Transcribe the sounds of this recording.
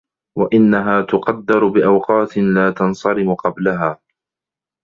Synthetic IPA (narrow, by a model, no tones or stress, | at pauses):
waʔɪnːaɦaːt̪ʊqɑd̪ːɑɾbɪʔawqɑːt̪ɪnlaːt̪ɑnsˤɑɾɪmʊqɑblaɦaː